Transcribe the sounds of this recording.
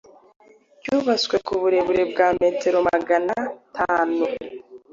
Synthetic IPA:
ɟuːβaswe̞kuβuɾe̞βuɾe̞bɡaːme̞ːtʰe̞ɾo̞maɡanatʰaːnu

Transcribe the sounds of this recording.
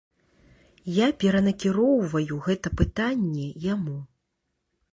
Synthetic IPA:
japʲɛɾɐnɐkʲiɾɔwvɐjuɣɛt̪ɐpɨt̪anʲːɛjamu

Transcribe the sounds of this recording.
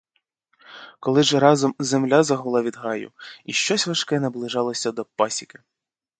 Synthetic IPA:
kɔlˠɪʒɾɑzɔmzemlʲazɐɦʊlˠɑʋʲid̪ɦɑjʊ̰iʃt͡ʃɔsʲʋɐʃkɛnɐblˠɪʒɑlˠɔsʲɐd̪ɔpɑsʲikɪ

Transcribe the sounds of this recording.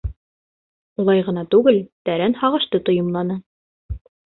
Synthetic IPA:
ulˠɑjʁɤ̆nɑt̪ʉɡɘlt̪æɾænhɑʁɤ̆ʃt̪ɤt̪ŏjɤ̆mlˠɑnɤ

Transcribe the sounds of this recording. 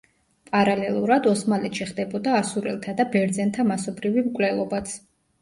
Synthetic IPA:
pʼaɾalɛlˠuɾad̪ɔsmalɛt̪ʃiχd̪ɛbɔd̪aːsuɾɛ̰lˠt̪ʰad̪abɛɾd̪zɛnt̪ʰamasɔbɾivimkʼwlɛlˠɔbat̪sʰ

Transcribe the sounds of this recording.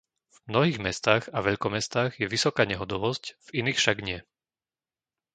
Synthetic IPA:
v̥mnɔɦiːɣmɛst̪aːɣaʋɛʎkɔmɛst̪aːɣjɛʋisɔkaːɲɛɦɔd̪ɔʋɔscviniːxfʃaɡɲɪɛ

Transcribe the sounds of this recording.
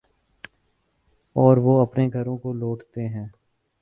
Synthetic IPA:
ɔːɾʋoɐpneɡʱɐɾõkoloːʈt̪eɦɛ̃ː

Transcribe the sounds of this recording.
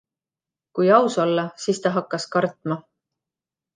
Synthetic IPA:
kujɑwsolːɑsiːst̪ɑɦɑkːˑɑskɑrt̪mɑ

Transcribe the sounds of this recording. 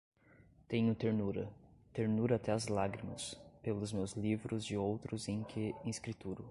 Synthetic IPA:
t̪ẽɲʊt̪eɾnuɾɐ̰t̪eɾnuɾɐːt̪ɛɐzlaɡɾimɐ̰spelʊzmewzlivɾʊzd͡ʒɪowt̪ɾʊzẽj̃kʰɪĩskɾit̪uɾʊ

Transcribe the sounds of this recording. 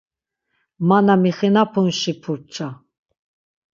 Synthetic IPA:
manamiχɛnapʰunʃipʰuɾt͡ʃʰa

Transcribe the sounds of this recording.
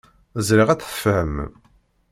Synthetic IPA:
zɾiʁæt͡sə̥fhəm

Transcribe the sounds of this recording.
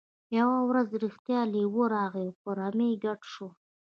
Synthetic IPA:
jawawɾazɾixt̪jɑliwoɾɑːɣewpoɾameɡaʈʃo

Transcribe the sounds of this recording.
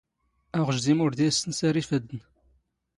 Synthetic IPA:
æʁʒzimʊɾðiæsənsæɾifəd̪ːən

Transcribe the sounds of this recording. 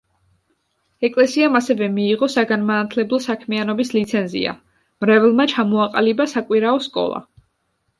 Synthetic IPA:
ɛkʼlɛsiamasɛvɛmiːʁɔsaɡanmaːt̪ʰlɛblˠɔsakʰmianɔbislit̪sʰɛnzḭa̰ | mɾavɛlˠmat͡ʃʰamɔaqʼalibasakʼwiɾaɔskʼɔ̰lˠa̰

